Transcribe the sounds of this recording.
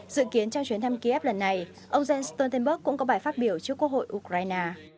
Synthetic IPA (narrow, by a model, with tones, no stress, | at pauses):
zɨ̰˧˨ki˨˦ənt͡ɕɔ˧wŋ͡mt͡ɕwi˨˦ənt̪ʰa˧mki˧ʔɛ˦˥p̚lə˨˩nːa˨˩j | ʔə˧wŋ͡mzɛ˧nst̪o˧nt̪ə˧nɓə˦˥k̚ːʊ̰˧˥ŋ͡mkɔ˨˦ɓaː˧˩jfaː˦˥t̚ɓi˧˩əwt͡ɕɨ˦˥əkːwək̚ho̰˧˨jʔu˧˩kɾaː˧jnaː˧